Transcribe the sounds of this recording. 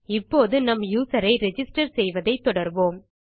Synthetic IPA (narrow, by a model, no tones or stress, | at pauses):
ɪpːoːðɯnɐmjuːsɐɾɐɪɾɛd͡ʒɪsʈɐɾsɛjʋɐðɐɪt̪ːɔɽɐɾboːm